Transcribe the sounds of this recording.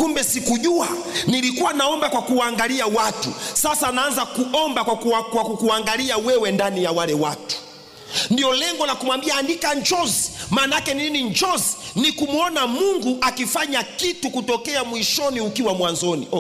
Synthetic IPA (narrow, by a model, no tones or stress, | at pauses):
kumbɛsikuʄua | nilikuwanaɔmbakwakuwaŋɡaliawatṵsasanaanzakuɔmbawkwakukuaŋɡaliawɛwɛndanijawalɛwatu̥ | ndiɔlɛŋɡɔlakumwambiaːndikaɲd͡ʒɔzmaːnakɛniniɲd͡ʒɔzinikumuɔnamuŋɡuʔakifaɲakitukutɔkɛamwiʃɔniukiwamwanzɔnḭ